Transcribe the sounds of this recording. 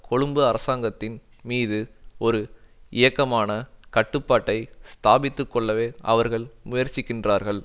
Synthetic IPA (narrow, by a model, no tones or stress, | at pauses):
kɔɻɯmbɯɐɾɐsaːŋɡɐt̪ːɪn | miːðɯɔɾɯɪjɐkːɐmaːnɐkɐʈːɯpːaːʈːɐɪst̪aːbɪt̪ːɯkːɔɭːɐʋeːɐ̰ʋɐɾɣɐɭmʊjɐɾt͡ʃːɪkːɪndraːɾɣɐɭ